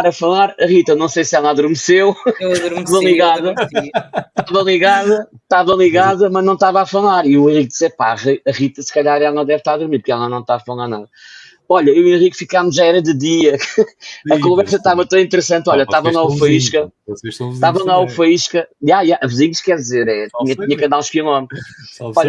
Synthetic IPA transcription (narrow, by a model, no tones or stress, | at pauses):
aɾɐfɐlˠaɾɐʁit̪ɐnɐ̃w̃sejsɛlˠaðuɾmɨsewɐðuɾaðɐ̃lˠiɣaðɐ | t̪aðɐ̃lˠiɣaðɐt̪aðɐ̃lˠiɣaðɐmɐʒnɐ̃w̃ʃt̪avafɐlˠaɾiuẽʁik̚d̪isɛpaɐʁiɐʁit̪ɐsɨ̥kɐʎaɾɛlˠɐɐ̃d̪ɛvʃt̪aɾɐðuɾmiɾpuɾkɛlˠɐnɐ̃w̃t̪avɐfɐlˠaɾna̰ðɐ | ɔʎɐewẽʁikfikamuʃʒaɛɾɐðɨðiɐ | ɐkõvɛɾsɐt̪avɐt̪ɐ̃ĩnt̪ɨɾɨsɐ̃nt̪ɔʎɐtt̪avɐ̃aufɐiʃkɐeʃt̪ɐ̃t̪avɐ̃aufɐiʃkɐjajaʔɐvɨziɲʃkɛɾðizeɾɛt̪iɲɐt̪iɲɐkɐ̃nd̪aɾũʃpiunom | ɔʎɐ